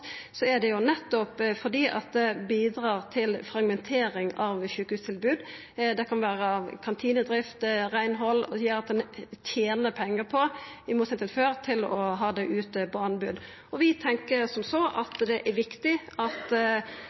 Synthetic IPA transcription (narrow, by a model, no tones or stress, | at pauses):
sɔæɖ̪ɛjʊnɛt̪ːɔpfɔd̪iːʔɑ̰t̪̚d̪ɛbiːd̪ɾɑːɾt̪ʰɪlfɾɑɡmɛnt̪ʰeːɾɪŋɑʋçʉːkəhʉːst̪ʰɪlbʉːd̪ | d̪ɛkʰɑnʋæːɾɑkʰɑnt̪ʰiːnəd̪ɾɪft̪ɾæɪnɦɔlːjøːɾɑt̪̚d̪ɛnt̪ʰjeːnəpʰɛŋːəɾpʰɔɪmuːt̪sɛnt̪ɪəlføːɾt̪ʰɪlɔɦɑːd̪ɛʔʉːt̪əpʰɔɑnbʉd̪ | ɔʋɪt̪ʰɛŋkəɾsɔmsɔʔɑt̪d̪ɛʔæɾʋɪkt̪ɪɑt̪